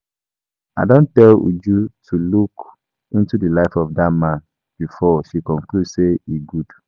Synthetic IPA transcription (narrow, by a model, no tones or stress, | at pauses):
aɪdõntɛlṵd͡ʒutʰuluk | ĩntudəlaɪfɔfdatmãn | b̥ifɔʃikɔ̃ŋkludseiɡud̥